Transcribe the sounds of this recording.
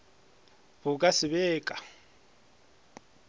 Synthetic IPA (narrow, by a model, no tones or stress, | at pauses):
bʊkʼasɪbeːkʼḁ